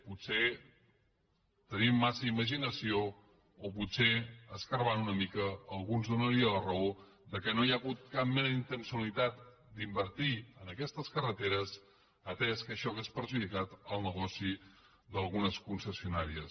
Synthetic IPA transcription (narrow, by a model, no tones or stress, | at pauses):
put̪se | t̪ənimːasəiməʒinəsio | oputseəskəɾβanunəmikəːlˠɣunzðunəɾiələrəo | d̪əkənojaɣut̪̚kap̚mɛzint̪ənsiulit̪at̪̚ | d̪imbəɾt̪iənəkɛst̪əskərət̪eɾəs | ət̪ɛskəʃɔɣespəɾʒuðikat̪əlˠnəɣɔsi | d̪əlˠɣunəskunsəsiunaɾiəs